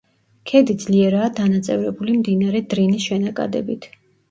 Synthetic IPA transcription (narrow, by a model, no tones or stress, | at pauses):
kʰɛd̪id̪zliɛɾaːd̪anat̪sʼɛvɾɛbulimd̪inaɾɛd̪ɾinisʃɛnakʼa̰d̪ɛ̰bit̪ʰ